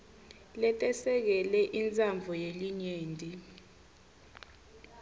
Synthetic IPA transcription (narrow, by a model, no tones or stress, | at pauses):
lɛtʼɛsɛk̬ɛlɛʔint͡sʼaɱbvʱɔjeliɲeːndʱi